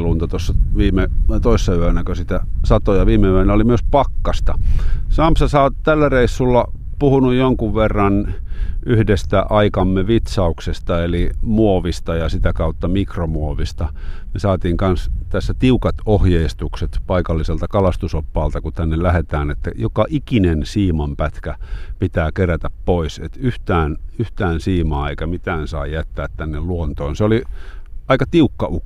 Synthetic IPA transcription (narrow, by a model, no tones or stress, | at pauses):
luːnt̪ɑt̪osːɑʋiːmet̪oisːɑyøænækøsit̪æsɑt̪ojɑʋiːmeyæenːæolimyøspɑkːɑst̪ɑsɑmpsɑsɑot̪ælːæreisːulːɑpuhunujjoŋkuʋʋerːɑnʔyhdest̪æʔɑikɑmːeʋit̪sɑuksest̪ɑelimuoʋist̪ɑjɑsit̪ækɑut̪ːɑmikromuoʋist̪ɑmesɑːt̪iːŋkɑnst̪æsːæt̪iukɑt̪ohjeist̪ukset̪pɑikɑlːiselt̪ɑkɑlɑst̪usopːɑːlt̪ɑkut̪ænːellæhet̪æːnet̪ːæ̰jokɑʔikinensiːmɑmpæt̪kæpit̪æːkeræt̪æppoisḛt̪yht̪æːnyht̪æːnsiːmɑːeikæmit̪æːnsɑijæt̪ːæːt̪t̪ænːelluont̪oːnseoliɑikɑt̪iukːɑukː